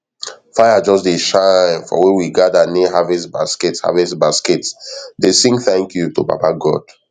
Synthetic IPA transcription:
faɪad͡ʒɔsdeʃãnfɔ̰wiwiɡadaniɦavɛsbaskɛtsha̰vɛsbaskɛtdesĩŋɡθɛ̃ŋkʰjutoba̰paɡɔ̰d̥

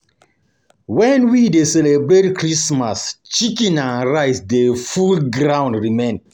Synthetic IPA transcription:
wɛ̃nwidesɛlebɹetkʰɹismast͡ʃikĩnãnɹaɪsdefulɡɹãʊ̃ndɹimẽn

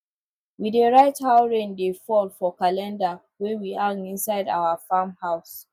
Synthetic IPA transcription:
widəɹaɪthaʊɹẽndefɔlfɔkalɛ̃nda | wɛ̃wiaŋĩnsaɪda̰ʊəfamhaʊs

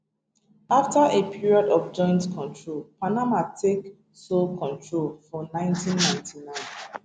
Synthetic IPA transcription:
aftaʔepʰiɹiɔdɔfd͡ʒɔ̃ɪ̃ntkʰɔ̃ntʰɹolpʰanamatʰek | solkʰɔ̃ntʰɹolfɔnãɪ̃ntĩnːãɪ̃ntʰinãɪ̃n

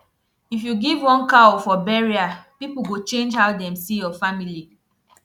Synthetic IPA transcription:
ifjuɡivwɔ̃nkaofɔbɛɹiapipuɡot͡ʃẽnd͡ʒhaʊdɛ̃msijɔfamili

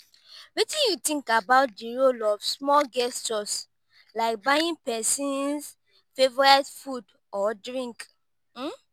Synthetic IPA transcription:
wetĩjutĩŋkabaʊt̚diɹolɔfsmɔlɡɛstɔs | laɪk̚bajĩnpɛsĩns | fevɔɹetfud | ʔɔdɹĩŋk̩

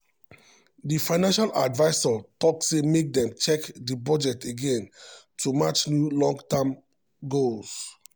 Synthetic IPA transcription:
difãɪnãnʃaladvaɪsɔtɔksemek̚dɛ̃mt͡ʃɛkdibɔd͡ʒɛteɡẽn | tumat͡ʃnjulɔ̃ŋɡtam | ɡols

